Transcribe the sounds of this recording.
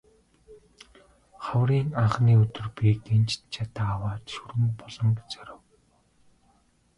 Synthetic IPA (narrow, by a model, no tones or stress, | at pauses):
χawriːŋaɴχniːɵt̪ɵ̆rpik̚t̪ent͡ɕt̪t͡ɕʰat̪aːwaːt̪ʃɵɾɘ̆mpɔɮɞ̆ŋɡet͡sœɾə̆w